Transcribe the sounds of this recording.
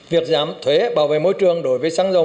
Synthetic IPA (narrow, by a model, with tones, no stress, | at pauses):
vi˨˩ək̚zaː˨˦mt̪ʰwe˨˦ɓaː˨˦wvḛ˧˨mo˧˦jt͡ɕɨ˨˩əŋɗo˨˦jvəː˨˦jsaː˨˦ŋzə˨˩